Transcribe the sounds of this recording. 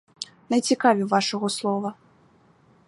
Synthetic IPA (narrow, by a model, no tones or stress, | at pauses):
nɐjt͡sʲikavʲiwvaʂɐɣɔslˠɔvɐ